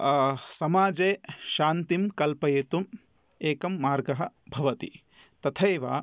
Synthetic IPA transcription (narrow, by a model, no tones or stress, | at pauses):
sɐmaːd͡ʒeːʃaːnt̪imkɐlpɐjet̪um | eːkɐmːaːɾɡɐɦɐ̆bʱɐʋɐt̪ḭ | t̪ɐt̪ʰɐːʋa̰ː